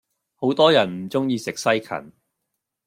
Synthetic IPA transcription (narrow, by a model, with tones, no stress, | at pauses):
ho˨˥wt̪ɔː˥jɐ˨˩nm̩˨˩t͡sʊ˥ŋjiː˧sɪ˨k̚sɐ˥jkʰɐ̰˨˩n